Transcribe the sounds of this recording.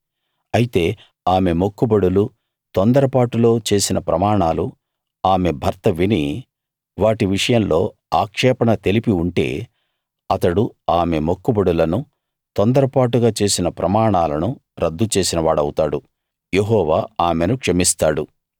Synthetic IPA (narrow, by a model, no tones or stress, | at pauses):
ɐjit̪e̞ː | aːme̞mokːubɐɽulu | t̪ond̪ɐɾɐpaːʈulo̞ːt͡ʃe̞ːsinɐpɾɐmaːɳaːlu | aːme̞bʱɐɾt̪ɐʋini | ʋaːʈiʋiʂɐjɐmlo̞ː | aːkʂɛːpɐɳɐt̪e̞lipiuɳʈe̞̰ː | ɐt̪ɐɽuaːme̞mokːubɐɽulɐnu | t̪ond̪ɐɾɐpaːʈuɡaːt͡ʃe̞ːsinɐpɾɐmaːɳaːlɐnuɾɐd̪ːut͡ʃe̞ːsinɐʋaːɽɐwut̪aːɽu | je̞ɦɔːʋaːaːme̞nukʂɐmist̪aːɽu